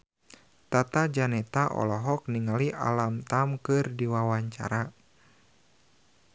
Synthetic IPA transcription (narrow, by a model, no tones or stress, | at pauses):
t̪at̪ad͡ʒanɛt̪aʔɔ̰lɔɦɔk̚niŋaliʔa̰lamt̪amkɨrdiwawaɲt͡ʃa̰ɾa